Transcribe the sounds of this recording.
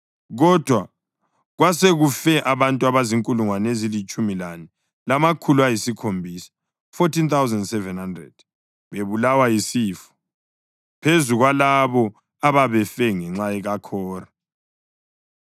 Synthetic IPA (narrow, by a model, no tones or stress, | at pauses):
ɣɔd̥ʱwa | ɣwaseɣufɛʔaβantʼuaβaziŋkʼuluŋwanezilit͡ʃʼumilani | lamakʰuluajisikʰombʱiːsḁ | fotʰint̪awuzɛndsɛvɛnhandrɛ̰d̥̚ | βeβulawajisiːfɔ̥ | pʰezuɣwalaβɔ | aβaβɛfɛŋɛŋ͡ǁaɛɣakʰɔːra